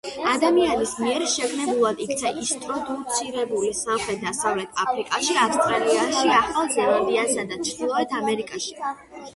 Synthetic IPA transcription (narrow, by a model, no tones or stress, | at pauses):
ad̪amianismiɛɾʃɛkʰnɛbulˠad̪ikʰt̪sʰaʔist̪ʼɾɔd̪ut̪sʰiɾɛbulisamχɾɛt̪̚ʰd̪asavlɛt̪ʰapʰɾikʼaʃiafst̪ʼɾaliaʃiaχalˠzɛlˠand̪iansad̪at͡ʃʰɾd̪ilˠɔɛt̪ʰamɛɾikʼaʃi̥